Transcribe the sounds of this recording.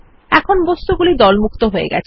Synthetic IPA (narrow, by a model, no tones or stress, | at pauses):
ɛkʰonbɔst̪uɡulid̪ɔlmukt̪oɦoḛɡɛ̰t͡ɕʰ